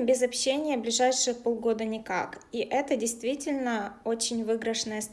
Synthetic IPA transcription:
bʲɪzɐpɕːenʲɪjəblʲɪʐajʂɨjpolˠɡo̞d̪ənʲɪka̰kiʔɛt̪ədʲɪjst̪vʲitʲɪlʲnəot͡ɕɪnʲvɨɡɾəʂnəjəst̪

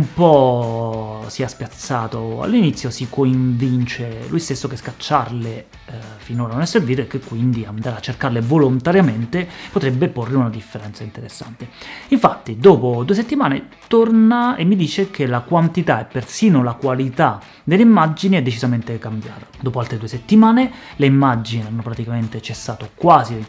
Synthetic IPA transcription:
umpɔ | siaspjat̪sːaːt̪oa̰lːinit̪sːjosikoiɱvint͡ʃelujst̪esːokeskat͡ʃːarle | finoːɾanonɛsːerviːt̪oekːekːwind̪iand̪aːɾeat͡ʃːerkarlevolont̪aɾjament̪epot̪ɾebːeporːeunad̪ifːeɾɛnt̪saint̪eɾesːa̰nt̪eiɱfat̪ːid̪ɔːpod̪ues̬et̪ːimaːnḛ | t̪ornaemːid̪iːt͡ʃekʰelakwant̪it̪aɛpːersiːnolakwalit̪a | d̪elːeimːad͡ʒiniɛd̪et͡ʃizament̪ekambja̰ːt̪ḁd̪ɔːpoalt̪ɾed̪ueset̪ːimaːneleimːad͡ʒinianːopɾat̪ikament̪et͡ʃesːaːt̪okwaːzi

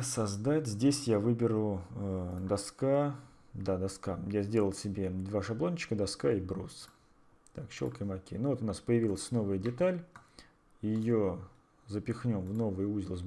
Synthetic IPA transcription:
sɐzd̪atʲzʲdʲesʲjavɨbʲɪɾʊəd̪ɐska | d̪ad̪ɐskajazʲdʲe̞lˠəlˠsʲɪbʲe̞d̪vaʂɐblˠonʲt͡ɕɪ̥kəd̪ɐskaibɾus | t̪akɕo̰kəjmɐkʲḛnuvo̞t̪ʊnaspəjɪvʲilˠəsʲno̞vəjədʲɪt̪alʲ | ijɪjo | zəpʲɪxnʲo̞mvno̞vəjəuzʲɪlˠəsʲ

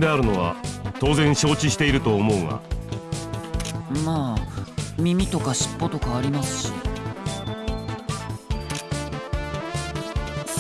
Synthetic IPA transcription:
d̪eaɾɯ̟no̞βa̰t̪o̞ːzẽ̞ɰ̃ɕo̞ːt͡ɕiɕi̥t̪e̞iɾɯ̟t̪o̞ːmo̞ɯŋa̰ | maː | mʲimʲit̪o̞kaɕi̥pːo̞t̪o̞kaːɾʲimasɨ̥ɕḭ

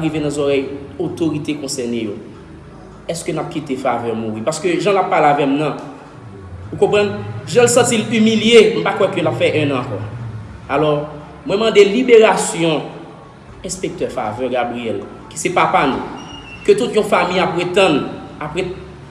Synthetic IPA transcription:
aʁivenãzɔʁɛjot̪oʁit̪ekɔ̃sɛʁnejo | ɛskønap̚kit̪efavɛʁmuʁipaskøʒãlapːalavɛmnɐ̃ | ukɔ̃pʁãnʒãlsãtilymiljem̩pakwɛkølapfɛʔɛ̃nãːkɔ̰ | alɔʁ | mwɛ̃mãd̪elibeʁasjɔ̃ | ɛ̃spek̚t̪œfa̰vœɡabʁijɛl | ki̥sɛpapanṵ̃ | køt̪ut̪jɔ̃famijapʁet̪ãd̪apʁɛ

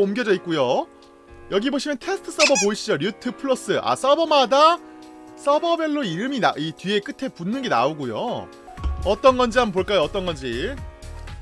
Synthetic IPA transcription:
omɡjʌd͡ʑʌik͈̚ujo | jʌɡiboɕʰimjʌntʰe̞sʰɯ̥tʰɯ̥s͈ʌbʌpoiɕ͈id͡ʑʌɾjutʰɯpʰɯɭʌs͈ɯʔa̰s͈ʌbʌmada | s͈ʌbʌbe̞ɭːoiɾɯminaʔitɥie̞k͈ɯtʰe̞punːɯnɡena̰oɡujo̰ | ʌt͈ʌnɡʌnd͡ʑiɦamp̬oɭk͈ajoʌt͈ʌnɡʌnd͡ʑi

